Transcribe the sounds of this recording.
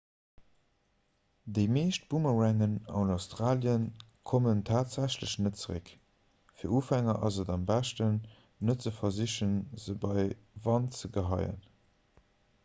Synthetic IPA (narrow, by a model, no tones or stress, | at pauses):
dəɪmeːʃt̚b̥uməʁæŋənɑ̰ʊnɑʊstʁaːljənkʰoməntʰaːtz̥æɕləɕnətt͡səʁə̰k | fiːɐuːfæŋɐʔɑzədɑmbæʃtənː | ətt͡səfɐziɕənzəbɑɪ | vɑnt͡səɡəɦɑɪə̰n